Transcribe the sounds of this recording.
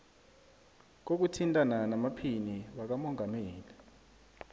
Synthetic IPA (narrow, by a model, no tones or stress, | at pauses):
k̬ok̬utʰintʼananamapʰiniɓak̬amɔŋameːli